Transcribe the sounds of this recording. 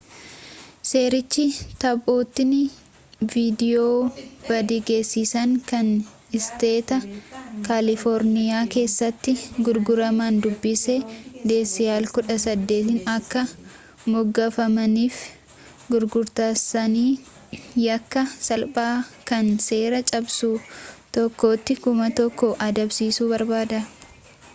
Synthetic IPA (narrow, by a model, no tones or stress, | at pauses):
se̞ːɾɪt͡ʃːɪt̪ɐboːt̪ːɪnɪ | viːd̪ɪjoːb̥ɐd̪iɡe̞ːsːiːsɐŋkɐn | ɪst̪e̞ːt̪ɐkaːlɪfɔɾnɪjaːke̞ːsːɐt̪ːɪɡʊɾɡʊɾɐmand̪ʊbːɪsɛd̪e̞ːsːɪjaːlkʊᶑɐsɐd̪ːe̞ːt̪ɪnɐkːɐ | mɔɡːɐfɐmɐniːf | ɡʊɾɡʊɾt̪aːsɐniː | jɐkːɐsɐlbʼaːkɐnse̞ːɾɐt͡ʃʼɐbsuːt̪ɔkːo̞ːt̪ːɪkʊmɐt̪ɔkːɔʔɐd̪ɐbsiːsuːbɐɾbaːd̪ɐ